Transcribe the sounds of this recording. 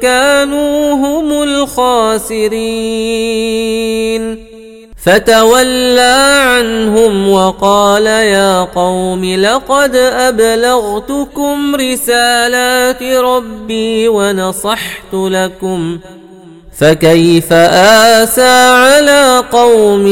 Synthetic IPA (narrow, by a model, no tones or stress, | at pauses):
kaːnuːɦʊmʊlxaːsɪɾi | n | fat̪awalːaːʕanɦʊmwɑqɑːlajaːqɑwmɪlɑqɑd̪ʔablaɣt̪ʊkʊmɾɪsaːlaːt̪ɾˤɑbːiːwɑnɑsˤɑħt̪ʊlakʊm | fakajfaʔaːsaːʕalaːqɑwm